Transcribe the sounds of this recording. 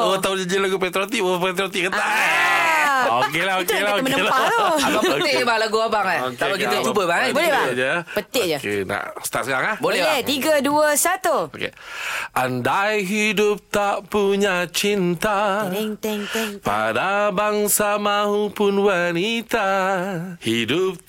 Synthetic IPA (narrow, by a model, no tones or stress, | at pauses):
ot̪aʊd͡ʒəd͡ʒilaɡupet̪ɾot̪iʔopet̪ɾot̪iʔkət̪aʔ | okelaɦokelaomənəlaoaʔəbalaɡuabaŋahokt̪aəkkit̪ət͡ʃubəbabolɛbad͡ʒəpət̪ɪʔd͡ʒəkḛna̰ʔsə̥t̪aʔsəɡaŋahbolɛbɛat̪iɡəduəsat̪uokḛʔandajɦidʊp̚t̪aʔpuɲat͡ʃint̪aŋɛŋŋpa̰dabaŋsamaɦupʊnwanit̪a | hidʊp̚